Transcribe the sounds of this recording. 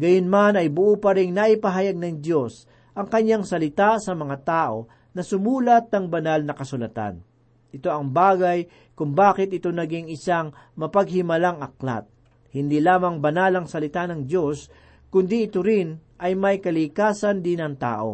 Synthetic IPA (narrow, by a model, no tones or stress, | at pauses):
ɡɐjonmanɐjbʊʔuːpɐɾɪŋnaʔɪpɐɦajaɡ̚nɐŋd̪jo̞s | ʔɐŋkɐɲːaŋsɐlɪt̪asɐmɐŋat̪aːʔo̞̰ | nɐsʊmuːlɐt̪̚nɐŋbɐnalnɐkɐsʊlɐt̪a̰n | ʔɪt̪o̞ʔɐŋbaːɡɐj | kʊŋbaːkɪt̪ʔɪt̪o̞nɐɡiŋɪsaŋ | mɐpɐɡ̚hɪmɐlaŋɐk̚la̰t̪̚ | hɪnd̪ilaːmɐŋbɐnalɐŋsɐlɪt̪anɐŋd̪jo̞s | kʊnd̪iʔɪt̪oɾɪnʔɐjmɐjkɐlɪkaːsɐnd̪ɪnɐŋt̪a̰ːʔo̞̰